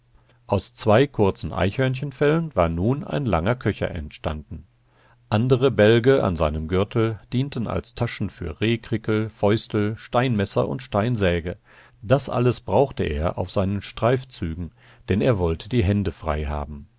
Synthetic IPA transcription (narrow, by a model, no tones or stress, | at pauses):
ʔaʊst͡sv̥aɪkʰʊɐt͡sn̩ʔa̰ɪçhœɐnçənfɛlənvaːɐnuːna̰ɪnlaŋɐkʰœçɐ̰ʔɛ̰ntʃtandn̩ | ʔandəʁəbɛlɡəʔa̰nzaɪnəmɡʏɐtʰl̩d̥iːntn̩a̰lstʰaʃn̩fy̰ːɐʁeːkʁ̥ɪkl̩fɔʏstl̩ʃtaɪnmɛsɐ̰ʔʊ̰ntʃtaɪnzɛːɡə | d̥asʔa̰ləsb̥ʁaʊxtəʔḛːɐʔa̰ʊfz̥aɪnənʃtʁ̥aɪft͡syːɡŋ̩ | d̥ɛneːɐvɔltʰədiːɦɛndəfʁ̥aɪɦa̰ːbm̩